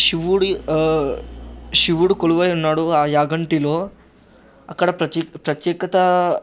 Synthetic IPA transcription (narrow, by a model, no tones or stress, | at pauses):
ʃiʋuɽi | ʃiʋuɽukoɭuʋɐjɐnaːɽuaːjaːɡɐɳʈilo | ɐkːɐɽɐpɾɐt̪ːpɾɐt̪jeːkɐt̪ɐ